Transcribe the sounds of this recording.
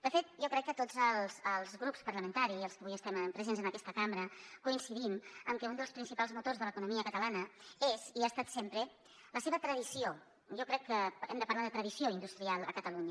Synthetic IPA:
d̪əfet̪̚ʒɔkɾɛkːət̪od͡zəlˠzəlˠzɣɾupspəɾləmənt̪aɾiziəlˠskəβujəst̪ɛmmpɾəzenzənəkɛst̪əkamɾəkuinsiðiməmkɛund̪əlˠspɾinsipalˠzmut̪orzðələkunumiəkət̪əlanəeziast̪at̪sempɾə | ləseβət̪ɾəðisio | ʒɔkɾɛkːəɛ̰md̪əpəɾlaðət̪ɾəðisioind̪ust̪ɾialˠə̰kət̪əluɲə

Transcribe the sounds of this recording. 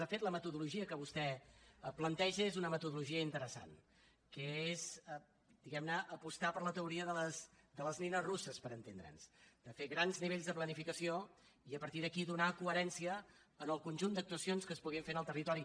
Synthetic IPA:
d̪əfet̪ləmət̪uðuluʒiəkəβust̪ɛplənt̪ɛʒəezunəmət̪uðuluʒiəint̪əɾəsa̰n | kəez | d̪iɣɛmnəʔːpust̪apəɾlət̪əuɾiəðələsd̪ələzninəzrusəspəɾənt̪end̪ɾə̰nsd̪̥əfeɣɾanzniβeʎʲzðəplənifikəsioiəpəɾt̪iðəkiðunakuəɾɛnsiəː | nəlˠkunʲʒund̪ək̚t̪uəsionskəspuɣiɱfenəlˠt̪ərit̪ɔɾi

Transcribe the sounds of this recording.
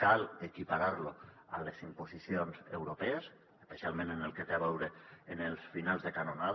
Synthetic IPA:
kalekipaɾaɾlo | a̰lezimposisionzḛwɾopɛes | espesialˠmẽnenelˠket̪eaβɛwɾeːnelˠsfinalˠzðekanonað

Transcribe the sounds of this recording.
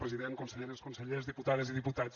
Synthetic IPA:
pɾəziðeŋkunsəʎeɾəskunsəʎezðiput̪aðəziðiput̪a

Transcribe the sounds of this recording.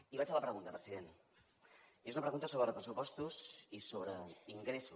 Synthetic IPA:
iβat͡ʃfaləpɾəɣunt̪əpɾəziðen | ezunəpɾəɣunt̪əsoβɾəpɾəsupɔst̪uzisoβɾəiŋɡɾesu

